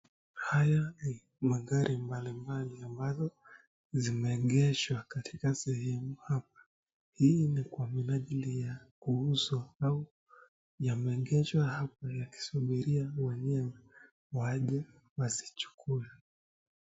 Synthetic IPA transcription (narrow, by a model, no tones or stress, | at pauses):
hajani | maɠaɾʔimbalimbaliambazɔ | zimɛɠɛʃwakatʰi̥kasɛhɛmuhap̚ḁ | hinikwaminaʄilijakuuzwaau | jamɛŋɡɛʃwahap̚ajaki̥suɓiɾiawɛɲɛwɛ | waʄɛ | wazit͡ʃu̥kʰula